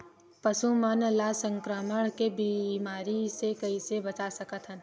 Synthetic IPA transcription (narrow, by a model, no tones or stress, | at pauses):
pɐsumənlasə̃ŋkɾəməɽ̃kebimaːɾisekɐisebɐt͡ʃasɐkət̪ʰɦən